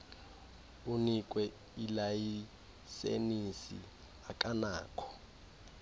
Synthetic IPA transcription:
unik̬ʼwɛ | ilaji | sḛnisḭ | akʼanaːkʰɔ̥

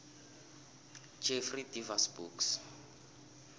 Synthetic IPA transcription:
d͡ʒɛfridivasbuːks

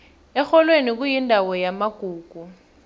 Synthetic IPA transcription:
ɛxɔlwenik̬ujindʱawɔjamaɡ̥ʱuːɡ̥ʱu

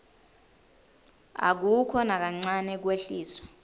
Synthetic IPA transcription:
a̰k̬ukʰɔnak̬aŋ͡ǀanɛk̬weɬiːsɔ

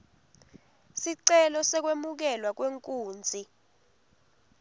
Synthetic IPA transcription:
siǀɛlɔsɛk̬wemuk̬ɛlwak̬weŋkʼuːnd͡zʱi

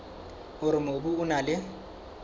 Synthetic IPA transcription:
ʊɾɪmobuʊnalɪ

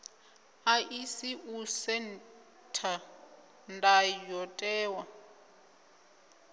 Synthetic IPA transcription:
aʔisiʔusɛn | tʰa | ndajɔtʼɛːwa

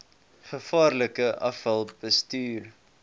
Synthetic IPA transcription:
χəfɑːrləkəʔɐfɦɐlˠt̚bəstyːr

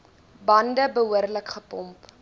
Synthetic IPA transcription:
bɐndəbəɦuərləkχəpɔmp

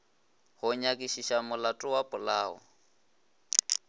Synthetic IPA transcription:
hʊɲakʼiʃiʃamʊlatʼʊwapʼʊlaːɔ̰

